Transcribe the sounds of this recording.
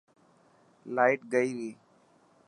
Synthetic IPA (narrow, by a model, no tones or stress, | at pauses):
laːɪʈɡəiːʋiː